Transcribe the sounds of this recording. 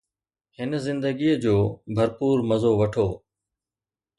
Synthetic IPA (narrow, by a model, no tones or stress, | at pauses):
hɪnzɪ̃nd̪əɡiːəd͡ʑoːbʱɐɾpuːɾmɐzoːʋɐʈʰoː